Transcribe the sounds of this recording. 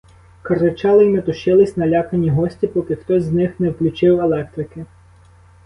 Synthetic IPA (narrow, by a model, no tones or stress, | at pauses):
kɐrɪt͡ʃɑlˠɪjmet̪ʊʃɪlˠɪsʲnɐlʲɑkɐnʲiɦɔsʲtʲipɔkɪxt̪ɔzʲnɪxnɛwklʲʊt͡ʃɪwelˠɛk̚t̪ɾɪkɪ